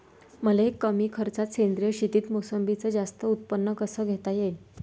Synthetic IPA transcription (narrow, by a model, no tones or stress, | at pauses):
məlekːəmiːkʰəɾt͡sat̪send̪ɾijəɕit̪iːt̪mosəmbʱit͡səːd͡zast̪əut̪̚pənːəkəsəːɡʱet̪aje